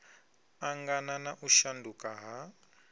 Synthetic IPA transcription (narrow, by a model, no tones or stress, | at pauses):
aŋɡananaʔuʃandukʼaɦa